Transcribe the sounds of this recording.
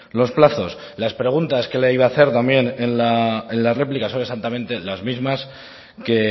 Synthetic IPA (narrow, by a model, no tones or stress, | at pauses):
lo̞splaθo̞s | laspɾe̞ɣ̞unt̪aske̞leiβaːθe̞ɾt̪ambje̞nenlaenlare̞plikasone̞sant̪amẽ̞nt̪e̞lazmizmas | ke̞